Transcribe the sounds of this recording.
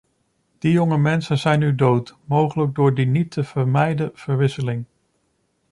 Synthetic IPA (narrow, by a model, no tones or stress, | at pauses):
d̥ijɔŋəmɛnsənzɛjnydowtmowχələɡ̚dʊːɹdinitʰəv̥əɹmɛjdəv̥əɹʋɪsəlɪŋ